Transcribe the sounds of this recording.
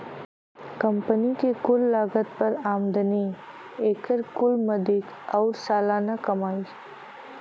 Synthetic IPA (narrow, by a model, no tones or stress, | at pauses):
kɐmpənikekʊlːaːɡət̪̚pɐɾaːmd̪əni | eːkəɾkʊlmɐd̪ik | aʊɾsaːlaːnakɐmaːi